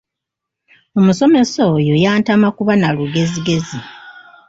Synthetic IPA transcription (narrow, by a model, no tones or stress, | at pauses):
omuso̞me̞sojo̞jaːntamakuβanaluɡe̞ziɡe̞zi